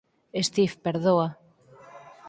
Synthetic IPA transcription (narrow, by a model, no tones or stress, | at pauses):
est̪ifpeɾðoa